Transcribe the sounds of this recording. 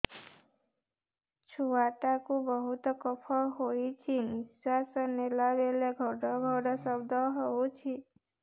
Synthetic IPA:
t͡ʃʰuwaʈakubəɦut̪kɔpʰɔɦojt͡ʃʰinisasənːelabeleɡʱɔɽɔɡʱɔɽɔsəbd̪ʱɔɦɔut͡ʃʰi

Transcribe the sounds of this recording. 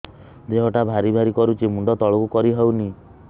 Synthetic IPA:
d͡ʒeɦɔʈabʱaɾibʱaɾikɔɾut͡ʃʰimuɳɖɔt̪ɔɭɔkukɔɾiɦewni

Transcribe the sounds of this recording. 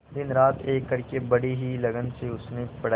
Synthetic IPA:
d̪ɪnɾaːt̪ʰeːkːɐɾkebɐɽiɦilɐɡənseʊsnepɐɽ

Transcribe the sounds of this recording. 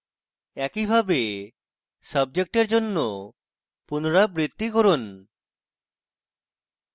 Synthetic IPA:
ɛkibʱabe | sʌb̚d͡ʑek̚ʈeɾd͡ʑonːo | punoɾabɾit̪ːikoɾun

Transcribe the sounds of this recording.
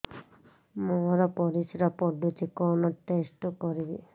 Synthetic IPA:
mɔɾɔpɔɾisiɾapɔɖut͡ʃʰikɔnɔʈesʈɔkɔɾibi

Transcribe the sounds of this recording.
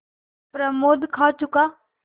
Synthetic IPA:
pɾəmoːd̪ʱkʰaːt͡ʃʊkaː

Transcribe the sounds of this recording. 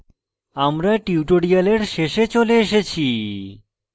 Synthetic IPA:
amɾaʈiuʈoɽijaleɾʃeʃet͡ɕoleeʃet͡ɕʰi

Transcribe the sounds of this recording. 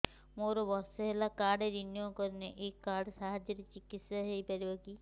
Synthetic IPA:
moɾɔbɔsɔɦelakaɖeɾinjɔkɔɾneʔekaɾɖsaɦad͡ʒjɔɾet͡ʃikit̪saɦejpaɾibɔki

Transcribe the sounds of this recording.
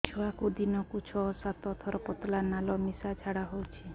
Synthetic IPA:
t͡ʃʰuakud̪inɔkut͡ʃʰɔsat̪ɔt̪ʰɔɾɔpɔt̪lanalɔmisad͡ʒʱaɽaɦowt͡ʃʰi

